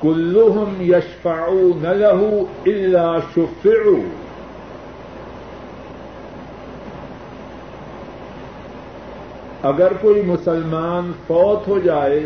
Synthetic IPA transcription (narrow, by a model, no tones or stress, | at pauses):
kʊlːʊɦʊmjɐʃfaʕuːnɐlɐɦuɪlːaːʃʊfɪʕuː | ɐɡəɾkoːimʊsɐlmaːnfɔːt̪ɦoːd͡ʒaːeː